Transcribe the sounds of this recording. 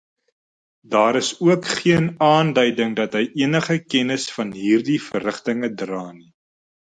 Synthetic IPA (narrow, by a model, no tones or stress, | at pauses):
dɑːɾəsuəkχiənɑːndœɥdəŋdɐtɦəjʔiənəχəkɛnəsfɐnɦiːrdifərəχtəŋədrɑːni